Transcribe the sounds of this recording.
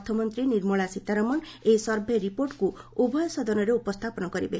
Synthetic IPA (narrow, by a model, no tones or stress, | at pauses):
t̪ʰɔmɔnt̪ɾiniɾmɔɭasit̪aɾɔmɔnesɔɾbʱeɾipoɾʈkuubɔjɔsɔd̪ɔnɔɾeupɔst̪ʰapɔnɔkɔɾibe